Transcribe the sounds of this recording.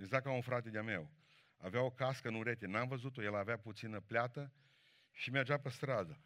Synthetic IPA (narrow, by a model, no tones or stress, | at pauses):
eɡzak̚kaunfɾat̪ed̪eame̞̰w | a̰veao̞kaskənuɾet̪enamvəzut̪o̞jelaveaput̪sinəpleat̪ə | ʃimerd͡ʒapəst̪ɾad̪ə